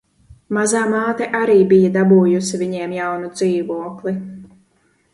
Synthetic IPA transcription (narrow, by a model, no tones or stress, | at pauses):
mazaːmaːt̪ɛʔaɾiːbijad̪abuːjusiviɲɛɛmjawnud̪ziːvuɔkli